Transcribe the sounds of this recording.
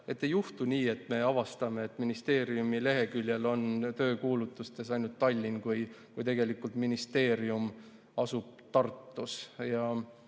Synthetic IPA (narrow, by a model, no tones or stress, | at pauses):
e̞t̪ːejuht̪unʲiːe̞t̪ːˑme̞ɑvɑst̪ɑme̞ːt̪ːˑminist̪e̞ːɾiumile̞ɦe̞kylʲjelo̞nt̪øːkuːlut̪ːˑust̪e̞sɑjnult̪ːɑlʲːinkujkujt̪e̞ɡe̞likːult̪minist̪e̞ːɾium | ɑsub̥̚t̪ɑrt̪ːˑusjɑ